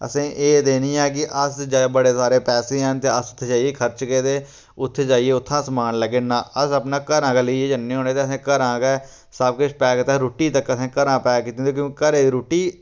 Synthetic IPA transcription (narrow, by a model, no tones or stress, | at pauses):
ə̰sẽːʔeːd̪eːnĩːɛːk̬ɪʔəsd͡ʒabəɽeːsaːɾeːpɛːsẽːɛnt̪eːəsʊt̪ʰːed͡ʒaːieːkʰəɾt͡ʃkeːt̪eː | ʊt̪ʰːed͡ʒaːieːʊt̪ʰːãːsmaːnləɡeːnãːəsəpnaːkəɾãːkaleieːd͡ʒənːẽːɦoːneːt̪eəs̬ẽːkəɾãːkɛː | səb̚ket͡ʃpɛːkːt̪ɛɾoːʈiːt̪əkːəsẽːkəɾãːpɛːkiːt̪ːẽːt̪eːkjõːkikəɾeːiːɾoːʈiː